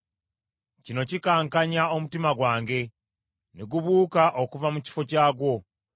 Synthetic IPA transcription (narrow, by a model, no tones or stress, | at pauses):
cino̞cikaːŋkaɲao̞mutimaɡwaːŋɡe̞ | neɡuβuːkaʔokuvamuci̥fo̞caːɡwo̞